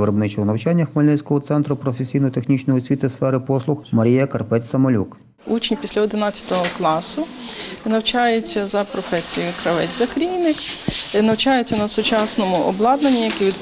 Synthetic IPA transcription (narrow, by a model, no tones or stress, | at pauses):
ɪɾɔbnɪt͡ʃɔɦnɐwt͡ʃanʲːɐxmɔlʲnɛsʲkɔɦɔt̪sɛnt̪ɾʊpɾɔfesʲijnɔjt̪exnʲit͡ʃnɔjɔsʲʋʲit̪ɪsfɛɾɪpɔslˠʊxmɐɾʲijɐkɐrpɛt͡sʲsɐmɔlʲṵk | ut͡ʃnʲpʲisʲlʲɐɔd̪ɪnɑt͡sʲɐ̥t̪ɔɦɔklˠɑsʊnɐwt͡ʃɑjet͡sʲːɐzɐpɾɔfɛsʲijʊkɾɐʋɛtʲzɐkɾʲijnɪknɐwt͡ʃɑjet͡sʲːɐnɐsʊt͡ʃɑsnɔmʊʔɔ̰blˠɑd̪nɐnʲːijɐkɛʋʲid̪